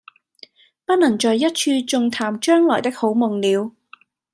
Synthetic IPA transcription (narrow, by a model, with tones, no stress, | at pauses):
pɐ˥t̚nɐ˨˩ŋt͡ʃɔː˨jːɐ˥t̚t͡ʃʰyː˧t͡sʊ˨˧ŋt̪ʰaː˨˩mt͡ʃœː˥ŋlɔː˨˩jt̪ɪ˥k̚ho˨˥wmʊ˨˩ŋliː˨˧w